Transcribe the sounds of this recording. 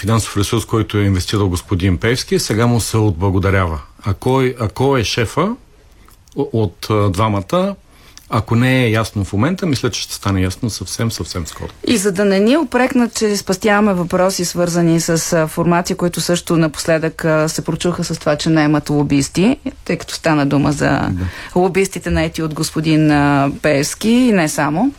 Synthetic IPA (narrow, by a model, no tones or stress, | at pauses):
finanso̥fɾɛsuɾskɔjt̪ʊɛinvɛst̪iɾəlˠɡospod̪inpɛfsk̟isɛɡamʊsɛod̪̚blˠɐɡod̪ɐɾʲavəɐkɔɐkɔɛʃɛfə | ot̪d̪vamət̪ə | ɐkonɛːjasnofmomɛnt̪əmislʲət͡ʃɛ̥ʃt̪ɛ̥st̪anɛjasnosɐfsɛmsɐfsɛmskɔ̰ɾoizɐd̪ɐnɛniɛopɾɛknət̪t͡ʃɛspɐst̪javɐmɛvɐpɾɔsisvɤɾzənisəsfoɾmat̪sikoit̪ʊsɤʃt̪ʊnɐpʊ̥slɛd̪əksɛpɾot͡ʃuxəsɐst̪ovat͡ʃɛnɛɛmɐt̪lˠobist̪it̪ɤjkɐ̥t̪ɔ̥st̪anəd̪umə̰zɐ̰lˠobist̪it̪ɛnɐɛt̪iod̪ɡospod̪inpɛɛfskiːnɛsamo